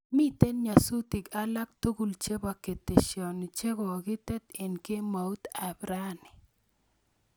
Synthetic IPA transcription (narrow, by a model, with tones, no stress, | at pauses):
mi˦t̪e˦nɲa˨su˦t̪i˨ka˦la˦k̚t̪u˦ɡu˨lt͡ʃe˦ba˨ke˨t̪e˨ʃjɔ˨n˨t͡ʃe˦ɡɔ˨kɪ˦t̪ɛ˦t̪e˨nke˦ma˨u˦t̪a˨bɾa˦ni˨